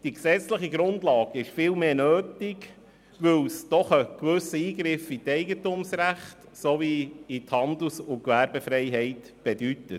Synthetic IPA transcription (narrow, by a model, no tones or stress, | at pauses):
d̥iksɛt͡sləχiɡɾʊndlɑːɡɪʃfɪːlmeːnøːtɪɡ | ʋɵwsd̪̥ɔχəkʋɵsəiːɡɾɪfit̪ɛɪɡətumsræχt | soviit̪hɑnd̪l̩sʊkʋæɾbəfɾɛɪɦɛɪt | b̥ɛdytə